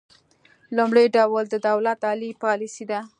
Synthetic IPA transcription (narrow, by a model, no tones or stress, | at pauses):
lumɽəjɖawld̪əd̪awlat̪ɑlipɑlisid̪a